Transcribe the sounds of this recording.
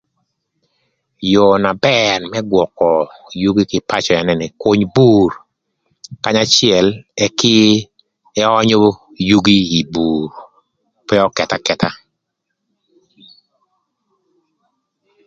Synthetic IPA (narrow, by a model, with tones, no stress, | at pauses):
jo˨na˨bɛ˦rmɛ˦ɡwɔ˨kɔ˨ju˦ɡi˦kɪ˨pa˦t͡ʃɔ˨ɛ˨nɛ˦nɪ˨ko˦ɲbu˦r | ka˦ɲa˦t͡ʃɪɛ˨lɛ˦kɪ˦ | ɛ˦ɔ˦ɲo˦ | ju˦ɡi˦i˨bu˨ɾ | pɛ˦ɔ˦kɛ˨ta˦kɛ˨ta˦